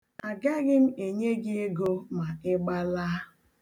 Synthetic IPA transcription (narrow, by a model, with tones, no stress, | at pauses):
a˨ɡa˦ɡɪ˦m̩˦e˨ɲe˦ɡɪ˦e˦ɡo˦ma˨ɪ˦ɡ͡ba˦laː˦